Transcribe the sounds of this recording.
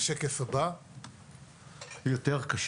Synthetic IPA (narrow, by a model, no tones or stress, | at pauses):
ʃekesaba | jot̪eʁkaʃ